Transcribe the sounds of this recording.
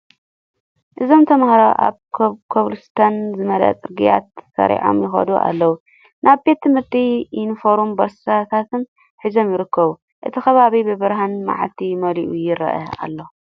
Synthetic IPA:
ʔɨzo̞mt̪ʰɐmɐxɾawʔa̰βʰkʰoβlust̪ʰɐnzɨmɐlɐ̰t͡sʼɨɾɡija̰t̪ːsɐ̰ɾḭʕo̞̰mjɪxɐ̰d̪uʔa̰lːɐwu | nʔaβbe̞t̪ʰːɨmhɨɾt̪ʰiɪnfoɾumbɐɾsat̪ʰat̪ɨn | ħizo̞mjɪɾɨkʰːɐβu | ʔɨt̪ʰikɐβaβibɨβɨɾɦanma̰ʕlt̪ʰimɐliʔujɪɾɐ̰ʔɐ̰a̰lːo̞

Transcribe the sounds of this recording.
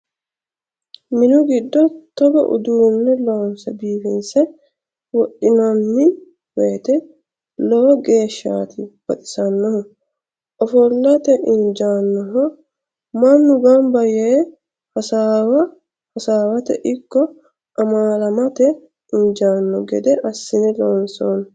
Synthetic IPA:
mɪnʊɡɪd̪ːɔt̪ɔɡɔ̰ʔʊ̰d̪unːɛloːnsɐbiːfɪnsɛ | wɔʔɪnɔnːɪ | weːt̪ɛ | loːɡe̞ːʃːa̰ːt̪ʰɪb̥ɐt̪ʼɪ̥sɐnːɔhɔ | ɔfɔlːɐt̪ɛʔɪnd͡ʒaːnːɔɦɔ | mɐnːʊɡambɐjeː | hɐsaːwɐ | hɐsaːwɐt̪ɛ̰ʔɪkːɔ | ɐmaːlɐmɐt̪ɛ | ɪɲd͡ʒaːnːɔɡɛd̪ɛʔɐsːɪnɪloːnsonɐ

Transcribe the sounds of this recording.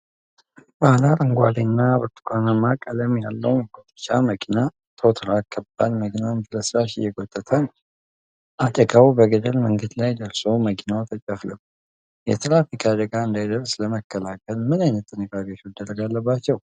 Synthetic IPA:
bahlaɾɨŋɡʷalenːabɨɾt̪ʰʼkʷʰanəmːakʼələmjalːəwnɛɡot̪ʼɨ̥t͡ʃaməkʰina | t̪ʰot̪ʰɾakʰːəbːalməkʰinansɨləsɾaʃɪ̰jɛɡot̪ʼːət̪ʰən | ʔat̪ʼəɡawbəɡəd̪əlməŋɡəd̪lajd̪əɾso̞məkʰinawt̪ʰət͡ʃʼəfləb | jɛ̰t̪ʰlafikʰʼad̪əɡaɨnd̪ajd̪əɾsləməkʰːəlakʰəlmɨnajnət̪ʼːɨnəkʼakʼot͡ʃuwd̪ərːəɡalːəbːat͡ʃːɛw

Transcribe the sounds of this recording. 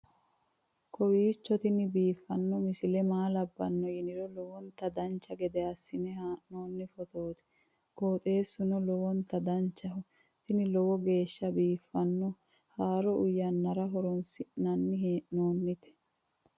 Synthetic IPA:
kʰɔwiːt͡ʃːɔt̪ɪnɪbiːfːɐnːɔmɪsɪlɛmaːlɐbːɐnːɔjɪnɪɾɔlɔwɔnt̪ːɐd̪ɐnt͡ʃːɐɡɛd̪ɛɐsːɪnɛhaːʔno̞ːnːɪfɔt̪ʰoːt̪ɛ̥ | koːt̪ʼe̞ːsːʊnɔlɔwɔnt̪ɐd̪ɐnt͡ʃːɐɦʊ | t̪ɪnɪlɔwɔɡe̞ːʃːɐbiːfːɐnːɔ | haːɾɔʔʊjːɐnːɐɾɐɦɔɾɔnsɪnɐnːɪɦeːʔnoːnːɪt̪ɛ̥

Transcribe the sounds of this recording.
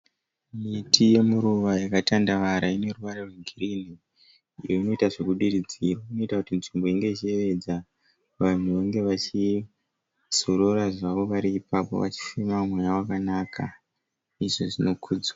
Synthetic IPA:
mitʰije̞muɾuʋajakatandaʋaɾaine̞ruʋaɾerweŋɡʱirin̤i | ijoino̞itaʐe̞kuɗirid͡ziroino̞itakutinʐimbo̞iŋɡe̞it͡ʃie̞ʋe̞d͡za | ʋan̤uʋaŋɡe̞ʋat͡ʃi | z̥oɾoraʐaʋo̞ʋaɾiːpapo̞̰ʋa̰t͡ʃi̥fimamumwejawakanakʰa | iʐoʐino̞kʰuːd͡zwa

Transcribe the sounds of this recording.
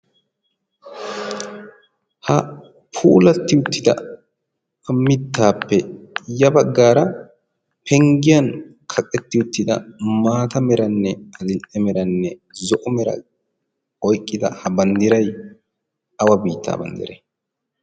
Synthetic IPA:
hɐ | pʰuːlɐt̪ːɪʊt̪ːɪd̪ɐ̰ | ɐmːɪt̪ːaːpːɛjɐbɐɡːaːɾɐ | pʰɛŋɡɪjɐn | kʰɐkʼːɛt̪ːɪʊt̪ːɪd̪ɐ̰maːt̪ɐmɛɾɐnːɛɐlɪnt͡sʼːɛmɛɾɐnːɛzɔʔɔmɛɾɐ̰ | ɔjkʼːɪd̪ɐ̰hɐbɐnd̪ɪɾɐj | ɐwɐbiːt̪ːa̰ːbɐnd̪ɪ̰ɾɛ

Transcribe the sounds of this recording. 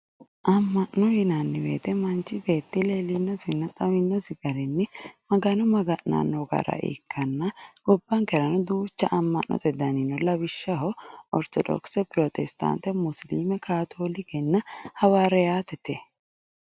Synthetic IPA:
ʔɐmːɐʔnɔjɪnanːɪbḛːt̪ɛmɐnt͡ʃɪbe̞ːt̪ːɪleːlɪnːɔsɪnːɐt̪ʼɐwɪnːɔsɪɡɐɾɪnːɪmɐɡɐnɔmɐɡɐʔna̰ːnːɔɡɐ̰ɾɐ̰ʔḛːkʰːɐnːɐɡɔbːɐŋkɛɾɐnʊd̪uːt͡ʃːɐʔɐmːɐʔnʔɔ̰t̪ʼɛd̪ɐninɔlɐbɪʃːɐɦɔʔɔɾt̪ɔd̪ɔ̰ksɛpɪɾɔt̪ɛst̪a̰ːnt̪ɛmʊsliːmɛkaːt̪ʰoːlɪɡɛnːɐhɐwaːɾɛjaːt̪ɛt̪ɛ

